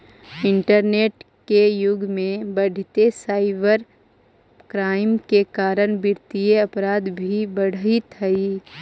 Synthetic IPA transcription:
ɪ̃ɳʈəɾneːʈ | kejʊɡʱmẽbəɽʱɪt̪esaːɪbəɾ | kɾaːɪmkekaːɾənbɪɾt̪ieɐpɾaːd̪bʱibəɽ̤it̪əi

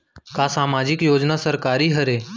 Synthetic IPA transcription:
kaːsaːmaːd͡ʒɪkjoːd͡ʒnasəɾkaːɾiɦəɾeː

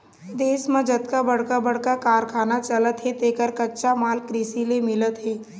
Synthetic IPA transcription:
d̪eːsmẽd͡ʒət̪kabɐɽ̤kabəɽ̤kakaːɾkʰaːnat͡ʃɐlət̪ɦet̪eːkəɾkɐtːʃamaːlkɾiːsilemɪlət̪ɦeː

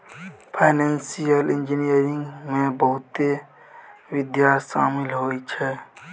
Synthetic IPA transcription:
pʰaɪnensijəlɪ̃nd͡ʒinijəɾɪ̃ŋɡmẽbəɦʊt̪e | ʋɪd̪jaʃa̰ːmɪlɦoːit͡ʃʰɛ

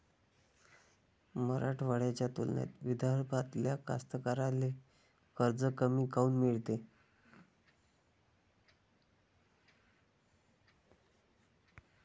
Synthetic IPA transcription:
məɾaʈʰʋaɽjat͡ɕjat̪ulnja̰t̪ʋid̪ʱaɾpat̪ljaka̰st̪əkaɾale | kəɾd͡zəkəmiːkauːnmiɭt̪e

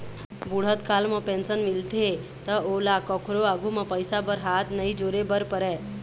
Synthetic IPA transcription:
buɽ̤ət̪kalməpẽnsənmilʈ̪ʰe | t̪əolakɔkʰɾoaɡʱuməpəjsabəɾɦat̪nəid͡ʒoɾebəɾpəɾɛ

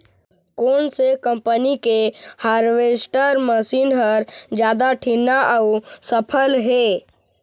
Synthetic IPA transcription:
kɔːnsekə̃mpənikehaːɾʋeːsʈəɾməsiːnɦəɾd͡ʒjaːd̪aʈʰinːaʔausəpʰəlɦeː

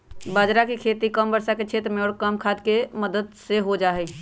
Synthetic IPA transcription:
bəd͡ʒɾakekʰet̪ikəmbəɾsaket͡ʃʰet̪ɾmeɔɽkəmkʰad̪keməd̪əd̪seɦod͡ʒaɦɛ

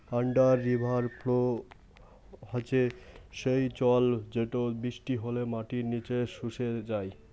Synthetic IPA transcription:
aɳɖaɾːibʱaɾplo | ɦat͡ɕeʃejt͡ɕɔld͡ʑeʈobiʃʈiɦolemaʈiɾnit͡ɕeʃuʃed͡ʑaj

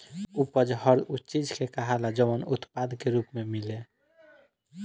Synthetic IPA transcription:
upəd͡ʒɦʌɾut͡ʃid͡ʒkekəɦalad͡ʒəʋənut̪pad̪keɾupmemile

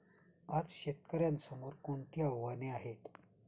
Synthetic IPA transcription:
at͡sɕet̪kəɾjansəmoɾkoɳt̪ijaʋʋaneaɦet̪

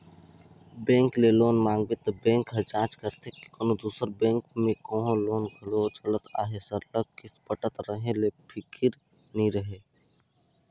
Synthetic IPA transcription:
bɛ̃ːŋkleloːnmaːŋɡbet̪obɛ̃ːŋkɦəd͡ʒãːt͡ʃkəɾt̪ʰeki̥koːnod̪uːsəɾbɛ̃ːŋkmẽkõːɦõloːnɡʱəlot͡ʃələt̪a̰ːɦesəɾləɡ̚kɪspəʈət̪ɾəɦẽlepʰɪkʰɪɾ | nĩɾəɦe

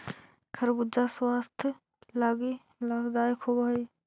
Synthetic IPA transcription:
kʰɐɾbud͡ʒaswaːst̪ʰ | laːɡi | lɐɡd̪aːjkʰuːbai

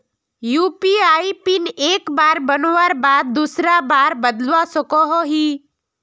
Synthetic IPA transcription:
juːpiaːipineːkbaːɾbənoʋaɾbaːd̪̚ːusɾabaːɾbəd̪lʋasəkɔɦɔɦiː

